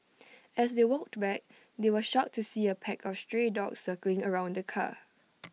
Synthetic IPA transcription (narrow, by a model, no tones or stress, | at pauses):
ɛsdewɔk̚tbɛk̚ | dewəʃɔk̚tʰːusiəpʰɛkʰɔfstɹedɔ̰ksəklɪ̃ŋəɹãʊ̃ndəkʰa̰